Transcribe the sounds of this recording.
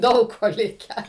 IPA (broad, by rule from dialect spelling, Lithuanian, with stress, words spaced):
ˈdɐʊk ˈkoː ˈlʲɪkʲæː